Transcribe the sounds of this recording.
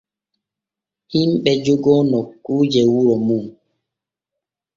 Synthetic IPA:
imɓɛd͡ʒoɡɔnɔkuːd͡ʒɛwuɾɔmuŋ

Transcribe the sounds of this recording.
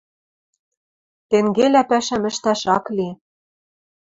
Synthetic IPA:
t̪eŋɡelæpæʃæmɘ̆ʃt̪æʃɑkli

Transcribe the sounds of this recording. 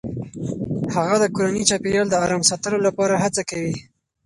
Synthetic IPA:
haɣad̪əkoɾanit͡ʃɑpijɑld̪əɑɾɑmsɑt̪əlolapɑɾahat͡sakawi

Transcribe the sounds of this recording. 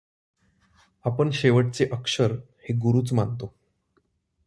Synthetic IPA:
apəɳɕeʋəʈ̚t͡seʔəkʂəɾ | heɡuɾuːt͡smant̪o

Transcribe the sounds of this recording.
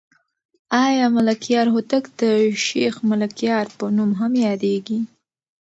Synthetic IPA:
ɑjɑmalakjɑɾhot̪akd̪̥əʃexmalakjɑɾpənumɦamjɑd̪eɡi

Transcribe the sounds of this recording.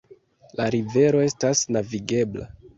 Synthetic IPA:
laɾive̞ɾo̞e̞stasnaviɡe̞bla̰

